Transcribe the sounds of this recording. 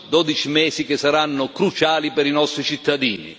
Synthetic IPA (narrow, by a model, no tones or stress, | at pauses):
d̪ɔd̪it͡ʃimɛːsik̟ɪsːaɾanːʊkɾut͡ʃaːlipɛɾinɔst̪ɾit͡ʃit̪ːad̪ḭːnḭ